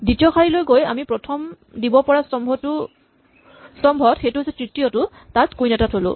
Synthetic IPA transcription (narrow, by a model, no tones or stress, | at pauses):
ditijɔxaɹilojɡoja̰mipɹɔtʰɔm | dibɔpɔɹastɔmʱɔtʊ | stɔmbʱɔtxejtʊɦasɛtɹitijɔtʊ | tatkujnɛtatʰolʊ̰